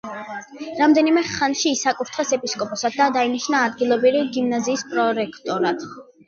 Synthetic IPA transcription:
ɾamd̪ɛnimɛχanʃiːsakʼuɾt̪ʰχɛsɛpʼiskʼɔpʼɔsad̪̚d̪ad̪ainiʃnaːd̪ɡilˠɔbiɾiɡimnaziːspʼɾɔɾɛkʰt̪ʼɔɾat̪ʰ

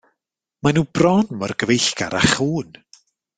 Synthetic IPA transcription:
manuːbrɔnmɔrɡəvejɬɡ̥a̰ɾaχuːn

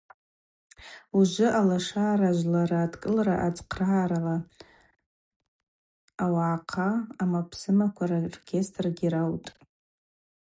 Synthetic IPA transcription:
uʒʷʊʔalaʂaːɾaʒʷlaɾaːdkʼɨlraʔad͡zqʰraːɾala | awaːqʰaːmapʰsɨmakʷʰararkʲʰe̞stʰʼrɡʲirawtʼ

